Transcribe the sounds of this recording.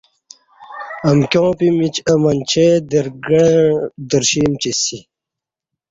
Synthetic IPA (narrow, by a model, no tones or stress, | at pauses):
ɐmkʲjõːpimit͡ɕɐmɐnt͡ɕʰed̪əɾɡɐd̪əɾɕimt͡ɕisi